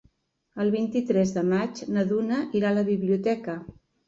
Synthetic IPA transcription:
əlˠβint̪it̪ɾɛzðəmad͡ʒnəðunəʔiɾaləβiβliut̪ɛkə

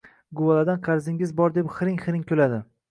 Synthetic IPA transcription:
ɡʊwalad̪anqʰɑɾzɪŋɪzbɒɾd̪epχɾɪŋχɾɪŋkʲʰɵlad̪ɪ

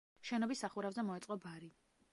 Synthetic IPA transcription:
ʃɛnɔbisːaχuɾavzɛmɔɛt̪sʼqʼɔbaɾi

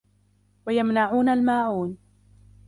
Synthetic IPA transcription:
wajamnaʕuːnalmaːʕuːn

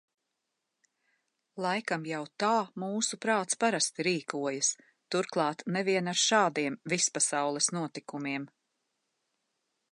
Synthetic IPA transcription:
lˠajkamjawt̪aːmuːsupɾaːt̪spaɾast̪iɾiːkuɔjas | t̪uɾklˠɑːt̪nɛviɛnaɾʃaːd̪iɛmvispasawlˠɛsnuɔt̪ikumiɛm

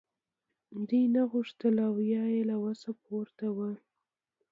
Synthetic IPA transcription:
d̪ujnaɣʊʂt̪əlawjɑjelawasapoɾt̪awə

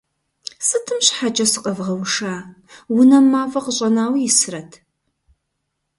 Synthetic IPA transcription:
sɨtʰɨmɕħad͡ʒʼɐsɨqʼɐvʁɐwʂaː | wʊnɐmːaːfɐqəɕʼɐnaːwijɪsɨrɐtʰ

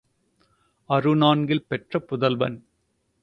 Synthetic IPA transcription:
ɐɾɯnaːnɡɪlpɛʈrɐpʊðɐlʋɐ̰n

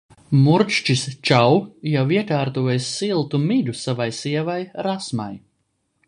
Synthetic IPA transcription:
muɾt͡ʃt͡ʃist͡ʃawjawiɛkaːɾt̪uːjejsːilˠt̪umid̪ʲusavajsiɛvajɾasma̰j

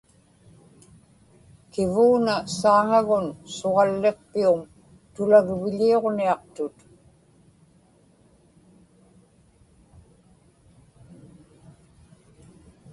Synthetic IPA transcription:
kɪvuːnasaːŋaɣʊnsoʁɑlːe̞qpium | t̪ʊlaɣvɪʎio̞ʁniɑqt̪ʊt̪

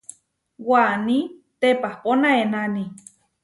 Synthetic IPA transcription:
wanĩt̪epahponaenani

